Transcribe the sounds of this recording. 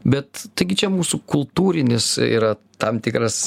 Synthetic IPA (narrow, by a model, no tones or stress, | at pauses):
bʲɛt̪t̪ɐɪɡʲɪt͡ʃʲɛmuːsukʊlˠt̪uːɾʲɪnʲɪsḭːɾɐ | t̪ɐmt̪ʲɪkɾɐs